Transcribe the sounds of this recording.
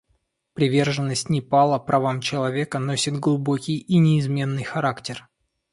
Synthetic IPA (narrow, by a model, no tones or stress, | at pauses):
pɾʲɪvʲe̞rʐɨnːəsʲtʲnʲɪpalˠəpɾʔɐvamt͡ɕɪlˠɐvʲe̞kəno̞sʲɪt̪ɡlˠʊbo̞kʲɪjinʲɪːzmʲe̞nːɨjxɐɾaktʲɪr